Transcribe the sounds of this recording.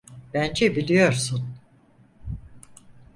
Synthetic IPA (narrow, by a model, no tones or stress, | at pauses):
b̥ænd͡ʒɛbilʲijo̞ɾsun